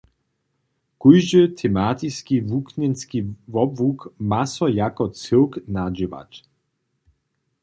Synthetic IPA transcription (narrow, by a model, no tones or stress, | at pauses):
kujʒət̪ʰɛmat̪iskʲivukɲɛnskʲivɔbvukmasɔjakɔt͡sɪwknad͡ʑiva̰t͡ɕ